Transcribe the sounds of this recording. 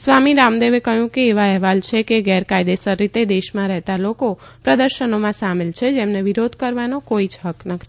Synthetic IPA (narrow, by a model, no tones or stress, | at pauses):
sʋamiɾamd̪eʋekəɦjũkeːʋaɛɦʋalt͡ʃʰekeɡɛɾkajd̪esəɾːit̪ed̪eʃmãɾɛɦt̪aloko | pɾəd̪əɾʃənomãsamelt͡ʃʰed͡ʒemneʋiɾod̪ʱkəɾʋanokoid͡ʒɦəknəkʰ